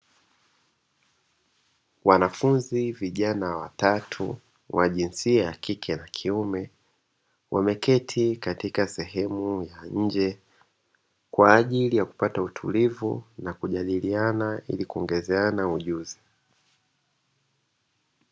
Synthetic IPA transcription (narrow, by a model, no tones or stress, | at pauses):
wanafunziviʄanawatatʰṵ | wʔaʄinsiajakikʰɛnakʰiumɛ | wʔa̰mɛkɛtʰikatikasɛɦɛmujaɲ̩d͡ʒɛ | kwaːʄilijaku̥patautʰṵlivṵnakuʄaɗilianaḭlikuɔŋɡɛzɛanauʄuzi